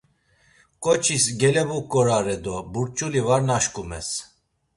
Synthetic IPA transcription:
kʼɔt͡ʃʰisɡɛlɛbukʼːɔɾaɾɛd̪ɔbuɾt͡ʃʼulivaɾnaʃkʼumɛ̰s

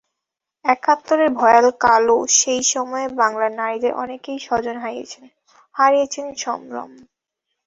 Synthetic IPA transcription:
ɛkʰat̪ːoɾeɾbʱɔjalkaloʃejʃɔmɔebaŋlaɾnaɾid̪eɾʔɔ̰nekejʃɔd͡ʑonɦaijet͡ɕʰen | haɾijet͡ɕʰenʃɔ̰mɾo̰m

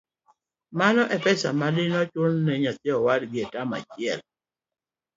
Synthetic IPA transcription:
manɔʔɛpɛsa̰malɪnɔt͡ʃolnɛɲat̪jɛɔwadɡɪetama̰t͡ʃɪɛl

